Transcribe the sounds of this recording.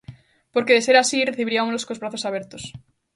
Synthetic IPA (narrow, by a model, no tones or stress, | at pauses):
poɾkeðeseɾasireθiβɾiamoloskozβɾaθosaβeɾt̪os